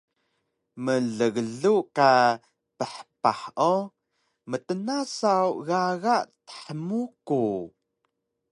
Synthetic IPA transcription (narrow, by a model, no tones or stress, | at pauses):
məɮəɣəɮuʔka | pəħəpaħʔo | mət̪ənasawɣaɣaʔt̪ə̥ħəmuku